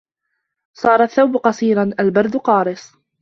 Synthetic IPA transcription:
sˤɑːɾˤɑθːawbqɑsˤiːɾɑnʔalbɑɾˤd̪ʊqɑːɾɨsˤ

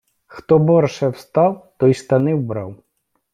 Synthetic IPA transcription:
xt̪ɔbɔrʂɛwst̪awt̪ɔjst̪anɪwbɾa̰w

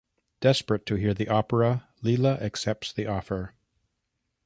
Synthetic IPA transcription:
d̥ɛspɹɨtʰɨɦiɹðiʔɔpə˞ə | lilˠəʔɨksɛp̚tsðiʔɔfə˞

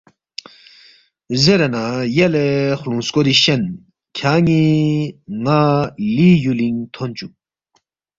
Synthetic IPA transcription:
zeɾɐnajelexlũnskoɾiɕɐn | kʰaːŋi | ŋalijuliŋt̪ʰont͡ɕu

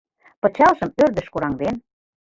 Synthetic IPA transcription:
pɤ̆t͡ɕɑlʒə̆mørd̪ə̆ʃkuɾɑŋd̪en

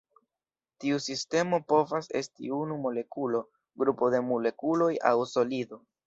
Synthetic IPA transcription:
tiusiste̞mo̞po̞vase̞̰stḭunumo̞le̞kulo̞ | ɡɾupo̞de̞mole̞kulo̞ja̰wso̞lido̞

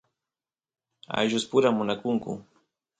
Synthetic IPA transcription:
a̰jʒʊspʊɾamːʊnakʊŋkʊ̰

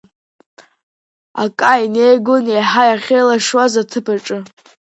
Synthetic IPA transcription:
a̰kʼainejɡonejħajaχʲejlaʂwazatʰɨpʰaʈ͡ʂʼɨ

